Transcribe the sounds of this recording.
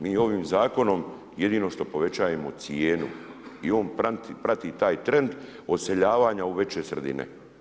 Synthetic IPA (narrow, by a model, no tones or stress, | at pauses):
miːo̞ʋiːmzaːko̞no̞m | je̞d̪iːnoʃt̪o̞po̞ʋet͡ɕaːjemot̪sieːnṵio̞ːnpat̪pɾat̪it̪aːjt̪ɾe̞nd̪ | o̞d̪se̞ʎaːʋaːɲauʋe̞t͡ɕe̞srd̪ḭnḛ